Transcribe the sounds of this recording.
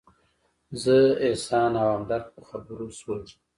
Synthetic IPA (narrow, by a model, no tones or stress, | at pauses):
zəesɑnawamd̪aɾxpəxabəɾoswəl